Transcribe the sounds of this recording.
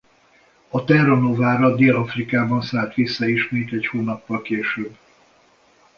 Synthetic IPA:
ɒt̪ɛrɒnovaːɾɒd̪eːlɒfrikaːbɒnsaːlt̪ʋisːɒiʃmiːt̪ɛchoːnɒpːɒlkeːʃøːbː

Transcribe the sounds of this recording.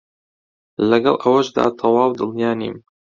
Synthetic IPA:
lɐɡɐ̰lˠʔɐwɐʃd̪a̰ːt̪ʰɑwɑːwd̪ɨljaːnḭːm

